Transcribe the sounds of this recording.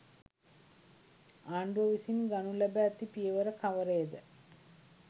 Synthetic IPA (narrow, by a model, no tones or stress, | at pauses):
aːɳɖuəʋisinɡanulæbæːt̪ipijəʋəɾəkʰaʋəɾəjed̪ə